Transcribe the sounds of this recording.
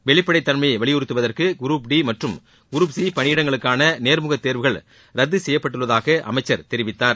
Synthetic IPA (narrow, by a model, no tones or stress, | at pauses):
ʋɛɭɪpːɐɽɐɪt̪ːɐɳmɐɪʋɐɭɪjʊɾɯt̪ːɯʋɐðɐrkɯɡʊɾuːpɖimɐʈrɯm | ɡʊɾuːpsiːpɐɳɪjɪɽɐŋɡɐɭɯkːaːnɐneːɾmʊɣɐt̪ːeːɾʋɯɣɐɭ | ɾɐd̪ːɯsɛjːɐpːɐʈːɯɭːɐðaːɣɐʔɐ̰mɐɪt͡ʃːɐɾt̪ɛɾɪʋɪt̪ːaːɾ